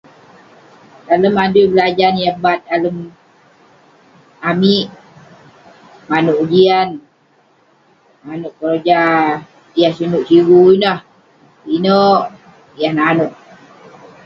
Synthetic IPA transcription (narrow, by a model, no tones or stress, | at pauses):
taləmadujbəlad͡ʒanjabat̪̚aləm | amiʔ | manoʔud͡ʒian | manoʔkəɾd͡ʒa | jahsinuʔsiɾuinah | inoʔ | jahnaːnoʔ